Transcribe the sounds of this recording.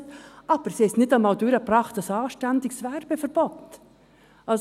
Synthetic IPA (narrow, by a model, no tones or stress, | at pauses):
tʔɑːb̥əɾsiɪstnɪtamad̪yːɾəprɑχtɑsɑːʃtɛnd̪ɪɡsvɛrb̥əfəɾb̥ɔt̪ | ʔɑls